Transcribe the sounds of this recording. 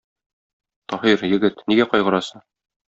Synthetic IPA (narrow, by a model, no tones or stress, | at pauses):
t̪ɒhiɾjɘ̆ɡɘt̪niɡæqɒjʁɤ̆ɾɑsɤɴ